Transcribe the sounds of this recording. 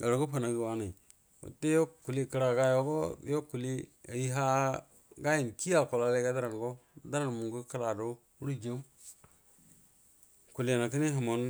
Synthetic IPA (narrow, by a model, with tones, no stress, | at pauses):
ɡa˨ɾo˨ɡo˦pa˨na˨ɡi˨wa˦na˨ | ṵ˨te˦jo˦ku˨li˦˨kə˨ɾa˨ɡa˦jo˦ɡo˦jo˦ku˨li˦a̰˨ji˦ɦa˦ | ɡa˦ji˨nki˦a˦˨lko˨la˨le˦ɡa˦da˦ɾa˨n˨ɡo˦˨da˦ɾa˨n˨mu˨ŋɡu˦ka˦la˨do˦ | u˦ɾu˦d͡ʒe˦u˦ | ku˨li˨na˨ki˦ni˦ɦi˨mo˨n